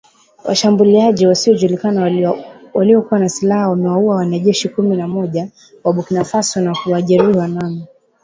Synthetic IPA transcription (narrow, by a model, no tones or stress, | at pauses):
wa̰ʃambuliaʄiwasiɔʄulikanawaliɔkuwanasilahawamɛwauawanaʄɛʃikuminamɔʄa | waɓukinafasɔnakuwaʄɛɾiwanami